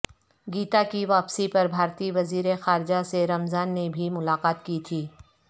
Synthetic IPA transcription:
ɡiːt̪akiʋaːpsipɐɾbʱaːɾt̪iʋɐziːɾexaːɾd͡ʒaseɾɐmzaːnːebʱimʊlaːqaːt̪kit̪ʰiː

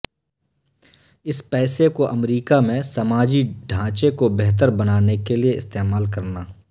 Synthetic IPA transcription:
ɪspɛːsekoʔɐmɾiːkamẽsɐmaːd͡ʒiɖʱãːt͡ʃekobɛɦt̪̬əɾbɐnaːnekelieɪst̪eːmaːlkɐɾnaː

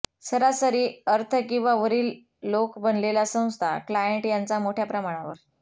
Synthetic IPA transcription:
səɾasəɾiːəɾt̪ʰəkĩw̃ʋaʋəɾiːlː | okbənlelasə̃w̃st̪ʰa̰klajeɳʈjant͡samoʈʰjapɾəmaɽ̃aʋə̰ɾ

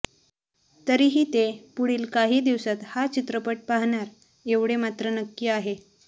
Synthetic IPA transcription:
t̪əɾiːɦiːt̪epuɽiːlkaɦiːd̪iʋsat̪hat͡ɕit̪ɾəpəʈ̚paɦɳaɾ | eʋɽemat̪ɾənəkːiaɦe

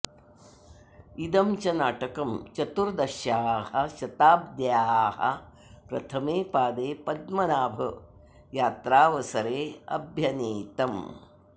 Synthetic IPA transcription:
id̪ɐmt͡ʃɐnaːʈɐkɐmt͡ʃɐt̪uɾd̪ɐʃjaːhɐʃɐt̪aːb̚d̪jaːhɐ̰ | pɾɐ̰t̪ʰɐmeːpaːd̪eːpɐd̪mɐnaːbʱɐ | jaːt̪ɾaːʋɐsɐɾeːɐ̰bʱjɐneːt̪ɐm

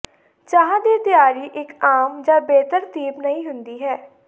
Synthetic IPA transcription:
t͡ʃaːɦãːd̪iːt̪ɪjaːɾiːʔɪkaːmd͡ʒãːbeːt̪əɾt̪iːpnəĩːɦʊnd̪iːɦɛː

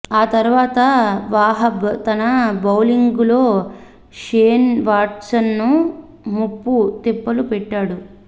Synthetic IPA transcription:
aːt̪ɐɾuʋaːt̪ɐʋaːɦɐt̪ɐnɐbɐwliŋɡulo̞ː | ʃeːnʋaːʈsɐnːu | mupːut̪ipːɐlupɛʈːaːɽu

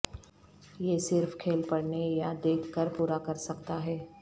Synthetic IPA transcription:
jeːsɪɾfkʰeːlpɐɽnejad̪eːkʰːəɾpuːɾakɐɾsɐkt̪aɦɛː

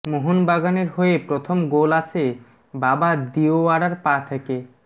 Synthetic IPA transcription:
moɦunbaɡaneɾɦoepɾot̪ʰomɡolat͡ɕʰe | babad̪ioaɽaɾpat̪ʰeke

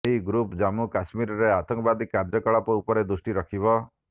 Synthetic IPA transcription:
eɦiɡɾupd͡ʒamukasmiɾɔɾeat̪ɔŋkɔbad̪ikaɾd͡ʒɔkɔɭɔpɔupɔɾed̪ɾusʈiɾɔkʰibɔ

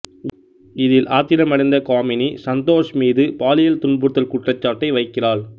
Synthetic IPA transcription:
ɪðɪlʔaːt̪ːɪɾɐmɐɽɪnd̪ɐkaːmɪnisɐnt̪oːʂmiːðɯpaːlɪjɐlt̪ʊɳbɯt̪ːɐlkʊʈrɐt͡ʃːaːʈːɐɪʋɐɪkːɪraːɭ

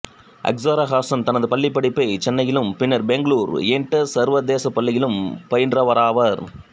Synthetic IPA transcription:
ʔɐ̰ksɐɾɐɣaːsɐnt̪ɐnɐðɯpɐɭːɪpːɐɽɪpːɐɪt͡ʃɛnːɐjɪlɯmpɪnːɐɾbɛŋɡɐɭuːɾeːɳʈːɐsɐɾʋɐd̪eːsɐpːɐɭːɪjɪlɯmpɐjɪndrɐʋɐɾaːʋɐɾ

